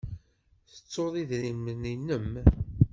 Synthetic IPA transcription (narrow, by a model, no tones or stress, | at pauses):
θə̥t͡sːoðˤiðɾiməninəm